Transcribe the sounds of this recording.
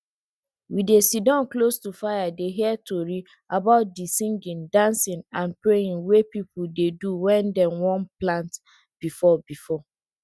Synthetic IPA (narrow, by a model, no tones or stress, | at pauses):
widesidɔ̃nklostufajadeɦiɛtoɹi | abaʊt̚disĩŋɡĩndãnsɪ̃nãnpɹejĩŋwepipʊdeduwɛ̃ndɛ̃mwɔ̃nplãnt | b̥ifɔbifɔ